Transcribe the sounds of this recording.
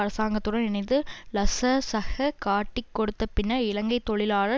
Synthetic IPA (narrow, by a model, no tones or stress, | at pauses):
ɐɾɐsaːŋɡɐt̪ːɯɽɐnɪnɐɪnd̪ɯlɐsɐsɐɣɐkaːʈːɪkːɔɽɯt̪ːɐpɪnːɐɪlɐŋɡɐɪt̪ːɔɭɪlaːɻɐ